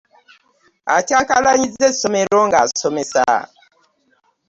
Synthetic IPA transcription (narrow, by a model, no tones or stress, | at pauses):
a̰t͡ʃakalaɲid͡zesomeɾoŋɡasomesa̰ː